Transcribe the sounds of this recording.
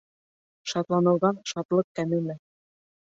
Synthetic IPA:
ʃɑt̪lˠɑnɤ̆lˠʁɑnʃɑt̪lˠɤq̚kæmɘ̆mɘ

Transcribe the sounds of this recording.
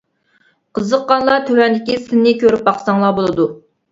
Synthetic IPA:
qʰəzəqːɑnlˠɑt̪ʰøwɛnd̪ɪkʲisɪnːɪkʲøɾyp̚ɑχsɑŋlˠɑbolˠɨd̪u

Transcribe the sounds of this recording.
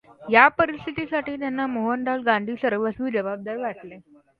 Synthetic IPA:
japəɾist̪ʰit̪isaʈiːt̪janːamoɦəɳɖ̪alɡãnd̪ʱiːsəɾʋəsʋiːd͡ʑəbab̚d̪aɾʋaʈle

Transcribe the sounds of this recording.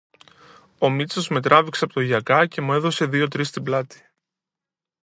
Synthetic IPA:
o̞mit͡so̞zme̞t̪ɾɐvikseɐpot̪oʝɐkɐce̞mue̞ðo̞se̞ðio̞t̪ɾist̪iblɐt̪i̥

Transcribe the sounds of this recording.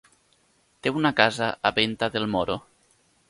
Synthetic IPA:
t̪eunakazaʔaβent̪aðelmoɾo

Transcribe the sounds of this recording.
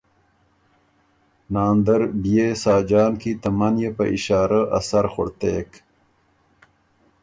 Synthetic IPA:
nɑːnd̪əɾbijesɑːd͡ʒɑːnkit̪ɐmanjepə̰ʔiʃɑːɾaʔɐ̰saɾxoɽt̪eːk

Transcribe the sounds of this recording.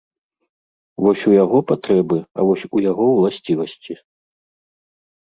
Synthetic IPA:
vɔsʲujaɣɔpat̪ɾɛbɨa̰vɔsʲujaɣɔwlˠasʲt͡sʲivɐsʲt͡sʲi

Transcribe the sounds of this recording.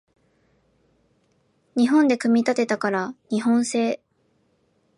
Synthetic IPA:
ɲ̟iɦõ̞nd̪ekɯ̟mʲit̪at̪e̞t̪akaɾaɲ̟iɦõ̞ɰ̃se̞ː

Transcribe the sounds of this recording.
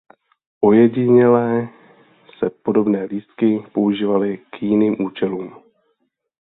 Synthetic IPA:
ʔo̞jɛɟɪɲɛlɛː | sɛpo̞do̞bnɛːliːst̪̚kɪpo̞uʒiːvalɪkjɪniːmʔuːt͡ʃɛluːm

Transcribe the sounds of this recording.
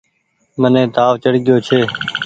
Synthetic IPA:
mənẽːt̪aːʋt͡ʃəɽɡɪjoːt͡ʃʰeː

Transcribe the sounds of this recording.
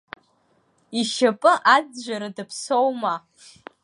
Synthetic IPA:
iʃapʼɨʔad͡zʒʷaɾadɨpʰsowma

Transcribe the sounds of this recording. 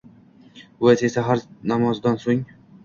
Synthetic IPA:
asesaɦaɾnamɒzd̪ansoŋ

